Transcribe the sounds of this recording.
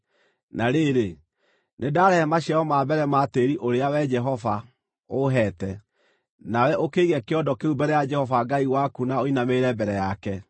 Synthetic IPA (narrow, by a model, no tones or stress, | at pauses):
naɾeɾe | nedaɾɛhɛmaɕiaɔmaːbɛɾɛmaːteɾiʔoɾeawɛd͡ʒɛɦɔva | oɦɛtɛ | nawɛʔokeiɣɛkeɔdɔkeubɛɾɛjad͡ʒɛhɔvaɡaiwakunaoinameɾɛbɛɾɛjakɛ